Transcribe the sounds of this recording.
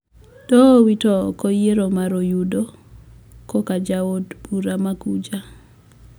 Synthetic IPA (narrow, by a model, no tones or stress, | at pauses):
tɔwitɔkɔjeɾomaɾojudo | kɔkad͡ʒaodb̥uɾamakud͡ʒa